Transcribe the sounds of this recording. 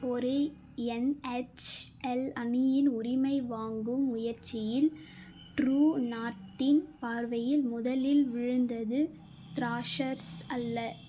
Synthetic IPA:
ɔɾɯ | ɛnɛt͡ʃɛlɐnɪjɪnʊɾɪmɐɪʋaːŋɡɯmʊjɐɾt͡ʃːɪjɪl | ʈɾuːnaːʈːɪnpaːɾʋɐjɪlmʊðɐlɪlʋɪɻɯnd̪ɐðɯ | t̪ɪɾaːʂɐɾsɐlːɐ

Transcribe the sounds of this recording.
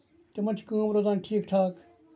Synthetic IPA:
t̪emɐnt͡ʃʰkãːmɾoːd̪ãːnʈʰiːkʈʰaːk

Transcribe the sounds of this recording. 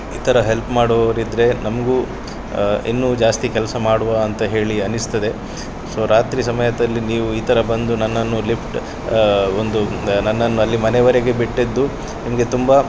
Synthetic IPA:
iːt̪ʰɐɾɐɦe̞lpmaːɽoɾid̪ɾe̞nɐmɐɡuː | ḭnːuːd͡ʒaːst̪ikɛlsɐmaːɽuʋaɐnt̪ɐɦe̞ːɭiɐnist̪ɐd̪e̞ | so̞ːɾaːt̪ɾis̬ɐmɐjɐd̪ɐlːiniːʋuiːt̪ʰɐɾɐbɐnd̪unɐnːɐnːulipʰʈ | ond̪unɐnːɐnːuɐlːimɐnɛʋɐɾeɡe̞biʈːed̪ːu | nimɐɡe̞t̪umbɐ

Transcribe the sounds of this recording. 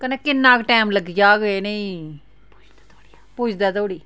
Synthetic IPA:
kəneːkɪnːãːkʈɛːmləɡd͡ʒaːɡeːneĩː | put͡ʃd̪aːt̪oːɽiː

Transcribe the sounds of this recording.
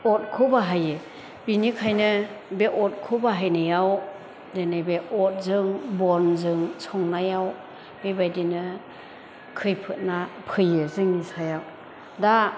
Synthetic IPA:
ɔt̚kʰɯbaɦaje | binikʰajnɯbeʔɔt̚kʰubaɦajnɯjaw | denajbeɔt̚zɯŋbɔnzɯŋsʰɔŋnajaw | mibajdinɯ | kʰɯjpʰɯt̚napʰɯjɯzɯŋnisajaw | da

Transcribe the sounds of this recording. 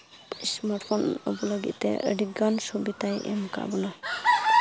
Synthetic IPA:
ismaɾʈpʰɔnɔ̰bɔləɡḭt̪t̪ɛ̰ʔə̰ɖiɡansubit̪ajʔɛ̰mka̰ʔbɔna

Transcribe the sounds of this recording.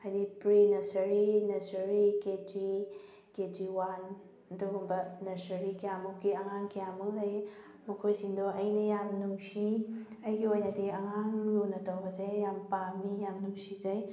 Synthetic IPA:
ajdipɾinɐsɐɾinɐsɐɾiketi | ketiwan | ɐduɡɔmbɐnɐsɐɾikijamukiɐŋaŋkijamulɐj | mɐkʰojsiŋdoʔɐjnɐjamnuŋsi | ɐjɡiojnɐdiɐŋaŋlunɐtɐwɡɐzajjampamijamnuŋsizɐj

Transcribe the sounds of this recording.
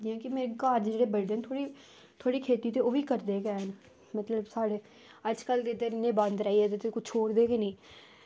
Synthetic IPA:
d̪ɪjãːkɪmeːɾekaːɾd͡ʒeːɽeːbəɾd̪eːnt̪ʰoːɽi | t̪ʰoaːɽiːkʰeːt̪iːt̪eːoːʋiːkəɾd̪eːkɛːn | mət̪ləbsaːɽeː | əd͡ʒkəlt̪eːd̪eɪnẽːbə̃nd̪ɾaːiːɛːt̪et̪eːkʊt͡ʃʰoːɽd̪eːkenĩː

